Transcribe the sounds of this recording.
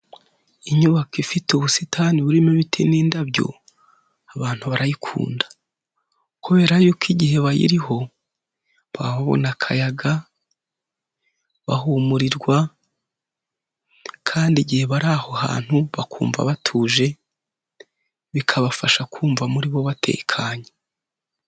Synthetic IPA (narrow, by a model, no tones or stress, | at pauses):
iɲuβakifituβusitʰaniβuɾimeβitʰeniːndaβjo̞̰ | aβaːn̥huβaɾajikʰṵːndḁ | kuβe̞ːɾajokiɟihe̞βajḭɾiho̞ | βa̰βaβo̞̰nakʰajaɡa | βa̰huːmuɾiɾɡwa | kʰaːndiɟihe̞βaɾaho̞ha̰ːn̥huβakʰṵːɱva̰βatʰuːʒe̞ | βikʰaβafaʃakʰuːɱvamuɾiβo̞βatʰe̞̰ːkʰaːɲe